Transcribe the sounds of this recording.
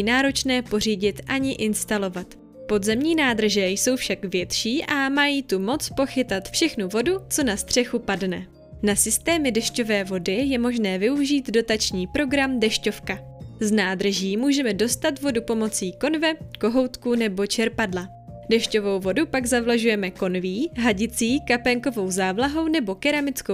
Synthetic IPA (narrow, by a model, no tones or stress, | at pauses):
inaːɾo̞t͡ʃnɛːpo̞r̝iːɟɪt̪ʔaɲɪʔɪnst̪alo̞vat̪ | po̞dzɛmɲiːnaːd̪r̩ʒɛjso̞wfʃakvjɛt̪ʃiːʔamajiːt̪umo̞t͡spo̞xɪt̪at̪fʃɛxnuvo̞dut͡so̞nast̪r̝̥ɛxupadnɛ | nasɪst̪ɛːmɪdɛʃco̞vɛːvo̞dɪjɛmo̞ʒnɛːvɪuʒiːt̪do̞t̪at͡ʃɲiːpɾo̞ɡɾamdɛʃco̞fka | znaːd̪r̩ʒiːmuːʒɛmɛdo̞st̪at̪vo̞dupo̞mo̞t͡siːko̞nvɛko̞ɦo̞wt̪kunɛbo̞t͡ʃɛɾpadla | dɛʃco̞vo̞wvo̞dupaɡzavlaʒujɛmɛko̞nviːɦaɟɪt͡siːkapɛŋko̞vo̞wzaːvlaɦo̞wnɛbo̞kɛɾamɪt͡sko